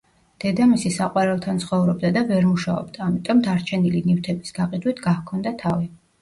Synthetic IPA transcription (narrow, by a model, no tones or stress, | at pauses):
d̪̥ɛd̪amisisaqʼwaɾɛlˠt̪ʰant̪sχɔvɾɔb̚d̪ad̪avɛɾmuʃaɔ̰bd̪̥aːmit̪ʼɔmd̪aɾt͡ʃʰɛnilinift̪ʰɛbisɡaqʼid̪wit̪ʰɡahkʰɔnd̪at̪ʰavi